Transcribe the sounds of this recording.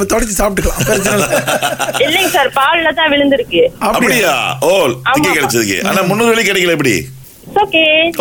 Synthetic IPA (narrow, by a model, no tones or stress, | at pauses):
ɐt̪ɔɽɪt͡ʃːisaːp̚ʈ̬ːɯkːɐɭãːpɛɾt͡ʃːɐnɐlː | ɪlːɛŋɡɐsaːɾpaːllɐt̪ãːʋɪɭɯnd̪ɪɾɯkːɯɐpːɐpɐɽɽɪja̰ːoːlaːkːekːɐɽɛt͡ʃːɐðɯkːɯ̰ʔa̰ːnːaːmʊnːoːðɯʋɐɭikɪɽɛkːɪɭɐɪpːɐɽḭ | oːkeː